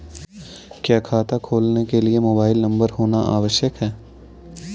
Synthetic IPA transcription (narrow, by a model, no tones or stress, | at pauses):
kjaːkʰaːt̪akʰoːlnekeliemoːbaːɪlnɐ̃mbəɾɦoːnaʔa̰ːʋəʃjəkɦɛː